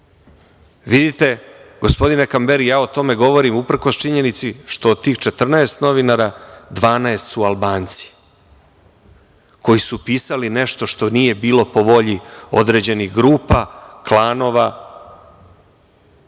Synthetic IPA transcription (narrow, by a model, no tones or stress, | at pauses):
ʋid̪it̪e̞ɡo̞spo̞d̪inakambeɾijaːot̪o̞me̞ɡo̞ʋo̞ɾimupr̩ko̞st͡ʃiɲe̞nit̪siʃt̪o̞ːd̪̚t̪ːiːxt͡ʃet̪r̩naest̪no̞ʋinaɾad̪ʋaːnaest̪sualbaːnt̪si̥ | ko̞jisupiːsaline̞ʃt̪o̞ʃt̪o̞nije̞biːlo̞po̞ʋo̞ʎio̞̰d̪ɾe̞d͡ʑe̞nixɡɾuːpaklaːno̞ʋa